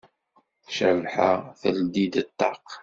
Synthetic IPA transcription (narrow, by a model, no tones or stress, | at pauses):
θʃəvħaθəld̪id̪ət̪ːɑq